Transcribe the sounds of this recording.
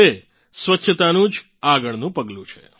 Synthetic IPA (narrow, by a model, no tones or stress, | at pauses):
e | sʋətːʃʰət̪anũd͡ʒ | aɡəɭnũpəɡlũt͡ʃʰḛ